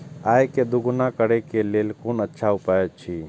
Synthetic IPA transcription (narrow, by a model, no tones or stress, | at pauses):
ajked̪uɡunakəɾekelelkonətːʃʰaupaet͡ʃʰi